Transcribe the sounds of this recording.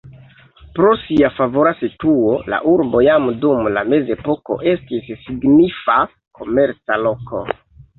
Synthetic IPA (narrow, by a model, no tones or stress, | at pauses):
pɾo̞siafavo̞ɾasituola̰ʔuɾbo̞jamdumlame̞ze̞po̞ko̞̰ʔe̞stisːiɡnifa | kʰo̞me̞ɾt͡salo̞kʰo̞̰